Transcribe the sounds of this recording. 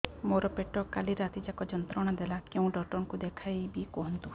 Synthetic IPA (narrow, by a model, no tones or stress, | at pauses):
moɾɔpeʈɔkaliɾat̪id͡ʒakɔd͡ʒɔnt̪ɾɔɽ̃ɔd̪elakeũɖɔʈɔnkud̪ekʰajbikɔɦɔnt̪u